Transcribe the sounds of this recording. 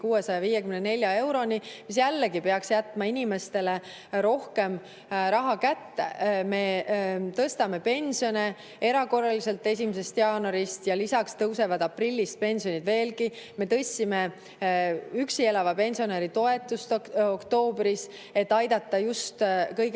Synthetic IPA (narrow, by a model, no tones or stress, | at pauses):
kuːwe̞sɑjɑviːjekymnene̞lʲjɑe̞wɾo̞nimis̬jælːeɡipe̞ɑksjæt̪ːˑmɑinʲime̞st̪e̞le̞ | ɾo̞hke̞m | ɾɑɦɑkæt̪ːe̞̰me̞t̪ɤst̪ɑme̞pe̞nʲsio̞ne | e̞ɾɑko̞rːɑlise̞lt̪ːˑe̞s̬ʲimese̞st̪jɑːno̞ɾist̪jɑlisɑkst̪ɤwse̞vɑd̪̥ɑprilʲːist̪̚pe̞nʲsio̞nid̪ve̞ːlɡime̞t̪ɤsʲːime̞ | yksie̞lɑvɑpe̞nʲsio̞neɾit̪o̞e̞t̪ːˑust̪okt̪o̞ːbɾis | e̞t̪ːˑɑjd̪̥ɑt̪ːˑɑjust̪kɤjɡ